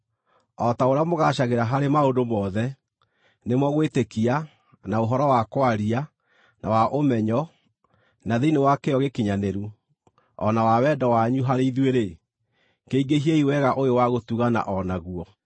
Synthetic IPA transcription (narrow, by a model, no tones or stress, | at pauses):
ɔtaoɾeamoɣaɕaɣeɾaɦaɾemaondomɔðɛ | nemɔɣwetekia | naoɦɔɾɔwakwaɾia | nawaʔomɛɲɔ | naðeinewakeɔɣekiɲaneɾu | ɔ̰nawawɛːdɔwaɲuɦaɾeiðweɾe | keiɡeɦieiwɛɣaʔoewaɣotuɣana̰ʔɔnaɣuɔ